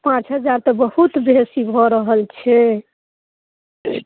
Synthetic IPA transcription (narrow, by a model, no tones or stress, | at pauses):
pãt͡ʃɦəd͡ʒaɾt̪əbəhut̪besibʱɔɾəɦəlt͡ʃʰɛ